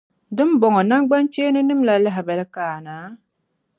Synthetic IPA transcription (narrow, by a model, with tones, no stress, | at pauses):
dɨ˦m˦bɔ˨ŋɔ˨na˦ŋɡ͡ba˦nt͡ʃeː˦nɨ˦nɨ˦m˦la˨lɨ˦ɦɪ˨bɛ˨lɨ˦kaː˨naː˨˦